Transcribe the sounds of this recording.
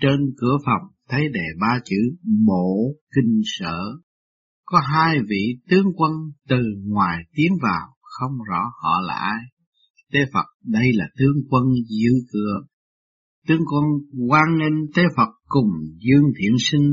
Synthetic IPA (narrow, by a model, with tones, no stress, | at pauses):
t͡ɕe˧nkɨ˧˩əfə˨˩wŋ͡mt̪ʰə˨˦jɗe˨˩ɓaː˧t͡ɕɨ˧˩ɓo˧˨kï˧ŋ̟sə̰ː˧˨ | kɔ˨˦ɦaː˧jvḭ˧˨t̪ɨ˨˦əŋkwə˧nt̪ɨ˨˩ŋwaː˨˩jt̪i˨˦ənvaː˨˩wxə˧wŋ͡mzɔ̰˧˥hɔ̰˧˨la̰ː˨˩ʔaː˧j | t̪ʰe˨˦fə˨˩t̚ɗə˧jlaː˨˩t̪ɨ˨˦əŋkwə˧nzɨ̰˧˥kɨ˧˩˨ə | t̪ɨ˨˦əŋkwə˧nkwaː˧nːi˧nt̪e˨˦fə˨˩t̚kʊ˨˩ŋ͡mzɨ˧əŋt̪ʰḭ˧˨ənsï˧ŋ̟